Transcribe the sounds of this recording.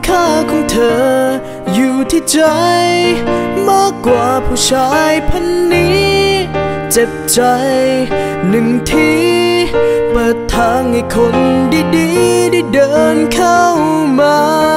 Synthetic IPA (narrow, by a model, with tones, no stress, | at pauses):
kʰaː˧˩kʰɔː˧˥ŋt̪ʰɤː˧˩ | juː˨˩t̪ʰiː˧˩t͡ɕa˧jmaː˧˥˩kːwaː˨˩pʰuː˧˩t͡ɕʰaː˧˥jpʰa˧˥nːiː˦˥ | t͡ɕe˨˩p̚t͡ɕa˧j | nɯ˨˩ŋt̪ʰiː˧ | pɤː˨˩t̪ʰːaː˧˥ŋha˨˧˩jkʰo˧ndiː˧˩diː˧˩da˧˩jdɤː˧nkʰa˧˥˩wmaː˧